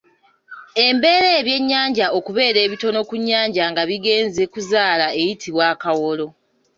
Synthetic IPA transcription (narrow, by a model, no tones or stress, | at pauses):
e̞mbe̞ːɾeːβje̞ɲːaːɲɟao̞kuβe̞ːɾe̞ːβito̞no̞kuɲːaːɲɟaŋɡaβiɡe̞ːnze̞kuzaːlae̞jitʰiβwaːkawo̞lo̞